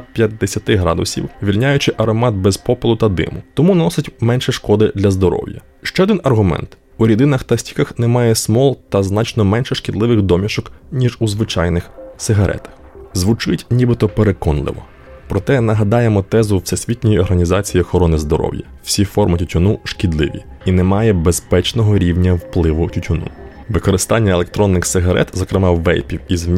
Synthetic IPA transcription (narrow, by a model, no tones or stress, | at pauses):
pʲjɐt̪ʲd̪esʲɐt̪ɪɦɾɑ̰d̪ʊ̰sʲḭwʋʲilʲnʲajʊt͡ʃɪʔɐɾɔmɑt̪̚bɛzpɔpɪlˠʊt̪ɐd̪ɪ̰mʊt̪ɔmunɔsɪtʲmɛnʃɛʃkɔd̪ɪd̪lʲɐzd̪ɔɾɔ̰wjɐ̰ | ʃt͡ʃɛɔd̪ɪnɐrɦʊmɛ̰nt̪ | uɾʲid̪ɪnɐxt̪ɐsʲtʲi̥kɐxnɛmɑjɛsmɔlˠt̪ɐznɑt͡ʃnɔmɛnʃɛʃkɪd̪lˠɪʋɪxd̪ɔmʲiʃɔknʲiʒuzʋɪt͡ʃɑjnɪxsɪɦɐɾɛ̰t̪ɐ̥x | zʋʊt͡ʃɪtʲnʲibɪt̪ɔpeɾekɔnlˠɪ̰ʋɔ̰ | pɾɔt̪ɛnɐɦɐd̪ɑjemɔt̪ɛzʊwsʲɛsʲʋʲit̪ʲnʲɔjiɔrɦɐnʲizɑt͡sʲijiɔxɔɾɔnɪzd̪ɔɾɔ̰wjɐ̰w̥sʲifɔrmɪtʲʊtʲʊnuʃkʲɪd̪lˠɪʋʲḭinɛmɑjɛbespɛt͡ʃnɔɦɔɾʲiwnʲɐwplˠɪʋʊtʲʊtʲʊnṵ | ʋɪkɔɾɪst̪ɑnʲːɐelˠek̚t̪ɾɔnːɪxsɪɦɐɾɛ̰t̪zɔkɾɪmɑwːɛ̰jpʲiwiz